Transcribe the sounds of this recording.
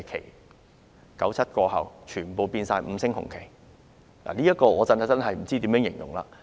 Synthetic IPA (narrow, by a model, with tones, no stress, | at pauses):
kʰḛ˨˩j | kɐ˨˥wt͡sʰɐ˥t̚kɔː˧hɐ̰˨wt͡ʃʰyː˨˩npo˨wpiː˧nsaː˧jm̩˨˧˥sɪ˥ŋhʊ̰˨˩ŋkʰe˨˩j | la̰˨˩niː˥jɐ˥t̚kɔː˧ŋɔː˨˧t͡sɐ˧nht͡sɐ˥nɦɐ˨jm̩˨˩t͡siː˥t̪iː˨˥mjœː˧˥ŋjɪ̰˨˩ŋjʊ̰˨˩ŋla̰ː˧